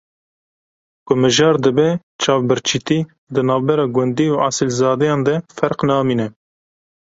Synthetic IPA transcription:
kʊmɨʒɑːɾd̪ɨbɛ | t͡ʃʰɑːvbɨɾt͡ʃʰit̪iː | d̪ɨnɑːvbɛɾɑːɡwɛnd̪iːuːʔɑsɨlzɑːd̪ɛjɑ̃ːnd̪ɛfɛɾqnɑːmiːnɛ

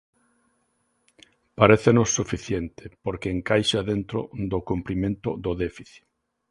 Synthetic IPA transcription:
paɾeθenʊsːufiθjent̪ɪ̥poɾkɪːŋkajʃaðent̪ɾo̰d̪okumpɾimẽnt̪ʊ̰ðʊðefiθi̥

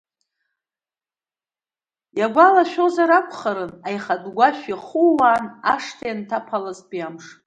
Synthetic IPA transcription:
jaɡʷalaʃᶣozaɾakʷʰʼχaɾɨnajχadɡʷaʃᶣiχuwaːnaʂtʰajantʰapʰalazpʼijamʂ

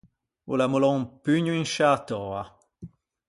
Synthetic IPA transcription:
ṵlamulɔ̃ŋpyɲuinʃaːt̪ɔa

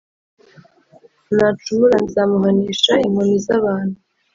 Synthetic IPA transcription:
nat͡ʃumuɾanizamuɦaniːʃaimonizaβaːnhu

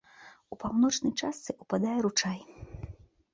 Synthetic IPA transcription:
upawnɔt͡ʂnɐjt͡ʂast̪sɨʔupad̪ajɛɾut͡ʂaj

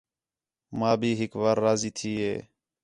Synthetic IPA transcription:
mãːbʱiːɦɪkʋaːɾːaːziːt̪ʰiːɦḛː

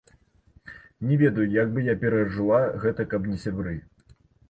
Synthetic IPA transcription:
nʲɛvʲɛd̪ɐjujaɡ̚bɨjapʲɛɾɐʐɨlˠaɣɛt̪ɐkɐpnʲɛsʲabɾɨ

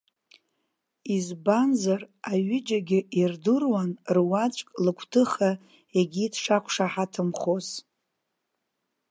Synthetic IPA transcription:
izbanzaraɥɪd͡ʒaɡʲɪʔirdɨrwanrwat͡ʃʷʼkʼlɨkʷʰtʰɨχa | eɡʲiːtʰʂakʷʰʂaħatʰɨmχos

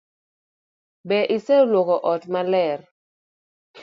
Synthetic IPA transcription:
bɛʔɪsɛlwɔkɔʔɔtmalɛr

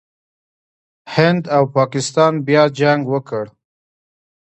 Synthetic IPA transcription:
hɪnd̪awpɑkɪst̪ɑnbjɑd͡ʒaŋɡwəkəɽ

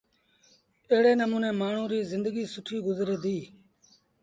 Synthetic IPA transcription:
eːɽeːnəmuːnẽːmaːɳ̤ũːɾiːzɪ̃nd̪əɡiːsʊʈʰiːɡʊzɾeːd̪iː

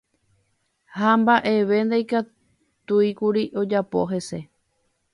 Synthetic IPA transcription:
hambaʔe̞ʋe̞nd̪ajka | t̪uikuɾiʔo̞d͡ʒapo̞̰ɦe̞se̞

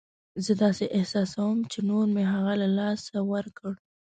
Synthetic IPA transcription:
zəd̪ɑseʔɪhsɑsawəmt͡ʃenoɾmeɦaɣalalɑsawəɾkəɽ

